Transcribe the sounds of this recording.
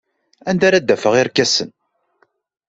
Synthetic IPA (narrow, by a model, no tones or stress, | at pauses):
ænd̪aɾæd̪ːæfəʁɪɾkːæsən